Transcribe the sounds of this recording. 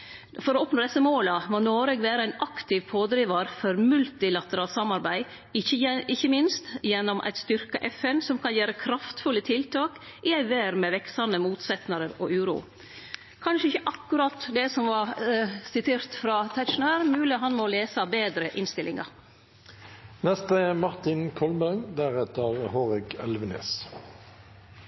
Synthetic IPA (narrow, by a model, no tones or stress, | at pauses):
fɔɾɔɔpnoːd̪ɛsːəmoːləmoːnoːɾɛɡʋæːɾəæɪnʔɑkt̪ʰɪʋpʰoːd̪ɾiːʋɑɾfɔɾmʉlt̪ɪlɑt̪əɾɑːlt̪sɑmɑɾbæɪ | ɪɪçːəmɪnst̪jɛnːɔmʔæ̰ɪt̪st̪ʏɾkɑʔɛfɛnsɔmkʰɑnjæːɾəkʰɾɑft̪fʉlət̪ʰɪlt̪ʰɑːk | ʔɪæɪʋæːɾmɛʋɛksɑnəmuːt̪sɛt̪nəɾəɾɔʔʉːɾṵː | kʰɑnʃəɪçəʔɑkːʉɾɑt̪ːd̪ɛsɔmʋɑɾsɪt̪ʰeːɾt̪fɾɑt̪ʰæʃʊnøːɾmʉːlɪɦɑnmoleːsɑbeːd̪ɾəʔɪnst̪ɪlɪŋɑ̰ɾ | nɛst̪əmɑʁt̪ɪnkʰɔlbæŋd̪æʁɛt̪əʁhoːʁɪɡɛlʋənḛːs